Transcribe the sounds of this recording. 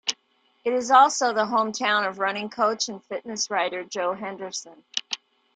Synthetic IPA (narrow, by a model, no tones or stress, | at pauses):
ɨɾɨzɔlˠsoʊðəɦõʊ̃mtʰãʊ̃nʌvɹʌnɪ̃ŋkʰoʊt͡ʃɨ̃nfɪʔⁿnɨsɹaɪɾə˞d͡ʒoʊɦɛ̃ndə˞sə̃n